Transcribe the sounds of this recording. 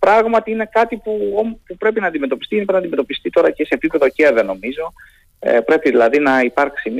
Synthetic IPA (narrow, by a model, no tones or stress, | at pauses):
pɾɐɣmɐt̪iine̞kɐt̪ipuompupɾe̞pinɐnd̪ime̞t̪o̞pist̪ienipnɐnd̪ime̞t̪o̞pist̪it̪o̞ɾɐce̞se̞ːpipe̞ðo̞ceɐðeno̞mizo̞ | ḛpɾe̞piðilɐðinɐipɐɾksim